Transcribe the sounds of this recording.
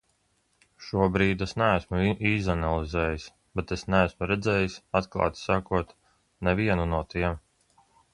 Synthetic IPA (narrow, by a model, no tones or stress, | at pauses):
ʃuɔbɾiːd̪esnææsmuʔiːzanalˠizɛːjis | bɛt̪esnææsmuɾɛd̪zɛːjisat̪klˠa̰ːt̪sakuɔt̪ | nɛviɛnunuɔt̪iɛm